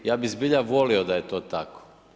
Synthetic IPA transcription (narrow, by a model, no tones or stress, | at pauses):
jaːbizbiʎaʋo̞liod̪ajet̪oːt̪ako̥